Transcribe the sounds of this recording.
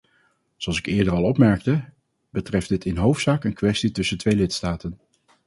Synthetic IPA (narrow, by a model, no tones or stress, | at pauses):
zoɑlˠsɪkɪːɹdərɑlˠɔpmɛɹk̚tə | bətrɛfdɪtɪnɦowftsaːkənkʋɛstitɵsəntʋejlɪtstaːtən